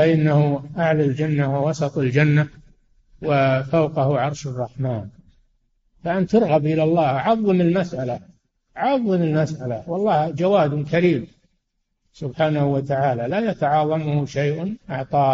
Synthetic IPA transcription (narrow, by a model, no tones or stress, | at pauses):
faʔɪnːahuʔaʕlald͡ʒanːawɪwɑsɑt̪ˤald͡ʒanːa | wɪfawqɑhuʕɑɾˤʃɑrˤːɑħmaːn | faʔant̪ɑɾˤɣabʔɪlalˤːɑːhʔʕɑðˤːɨmɪlmasʔala | ʔʕɑðˤːɨmɪlmasʔalawɑlˤːɑːhd͡ʒawaːd̪ʊnkaɾiːm | sʊbħaːnahʊwat̪aʕaːlalajat̪aʕɑːðˤɑmʊhʊʃajʔnʔɑʕt̪ˤɑː